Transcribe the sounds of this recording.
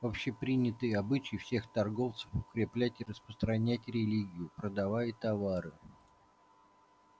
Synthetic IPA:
vopɕːepɾʲinʲɪt̪ɨjɐbɨt͡ɕɪjfsʲe̞xt̪ɐrɡo̞ft̪sə̥fʊkɾʲɪplʲætʲɪrəspɾəst̪ɾɐnʲætʲɾʲɪlʲiɡʲɪjʊpɾəd̪ɐvajɪt̪ɐvaɾɨ

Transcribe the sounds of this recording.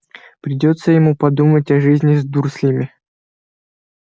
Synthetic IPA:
pɾʲɪdʲo̞t̪səjɪmupɐd̪umətʲɐʐɨzʲnʲɪzd̪ursʲlʲimʲɪ

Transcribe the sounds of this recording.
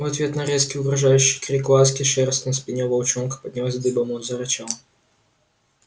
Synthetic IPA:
vɐt̪vʲet̪nɐɾʲeskʲɪʊɡɾɐʐajʉɕːɪjkɾʲiklˠas̬kʲɪʂɛrst̪nɐspʲɪnʲɛvɐlˠt͡ɕɔnkə̥pɐd̪ʲnʲɪlˠazʲd̪ɨbɐmuzɐɾɐt͡ɕalˠ

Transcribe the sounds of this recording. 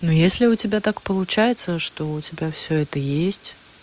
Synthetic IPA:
nujesʲlʲɪʊtʲɪbʲat̪akpəlˠʊt͡ɕæjɪt̪səʂt̪o̞ʊtʲɪbʲafsʲɵɛt̪əjesʲtʲ

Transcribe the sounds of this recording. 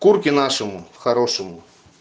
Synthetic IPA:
kurkʲɪnaʂɨmʊxɐɾoʂɨmʊ

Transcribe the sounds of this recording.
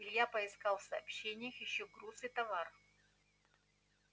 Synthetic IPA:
lʲjapəɪskalˠfsɐːpɕːenʲɪjəxjɪɕːoɡɾusɨɪt̪ɐvar

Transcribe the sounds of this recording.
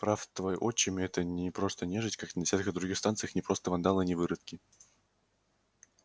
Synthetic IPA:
pɾaft̪vojʔot͡ɕːɪmʲɪɛt̪ənʲɪpɾo̞st̪ənʲeʐɨtʲkaknədʲɪsʲat̪kəd̪ɾʊɡʲixst̪ant̪sɨjəxnʲɪpɾo̞st̪əvɐnd̪alˠɨnʲɪvɨɾɨt̪kʲɪ

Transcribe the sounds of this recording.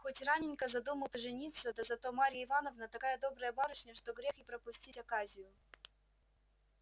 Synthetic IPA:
xotʲranʲɪnʲkəzɐd̪uməlˠt̪ɨʐɨnʲit̪səd̪əzɐt̪o̞maɾʲɪjəɪvanəvnət̪ɐkajəd̪o̞bɾəjəbaɾʊʂnʲəʂt̪oɡɾʲexɪpɾəpʊsʲtʲitʲɐkazʲɪjʊ

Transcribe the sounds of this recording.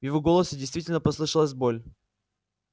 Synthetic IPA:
vjɪvoɡolˠəsʲɪdʲɪjst̪vʲitʲɪlʲnəpɐslˠɨʂəlˠəs̬ʲbolʲ

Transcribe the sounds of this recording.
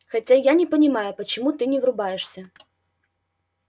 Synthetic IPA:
xɐtʲajanʲɪpənʲɪmajʊpət͡ɕɪmut̪ɨnʲɪvɾʊbajɪʂsʲə

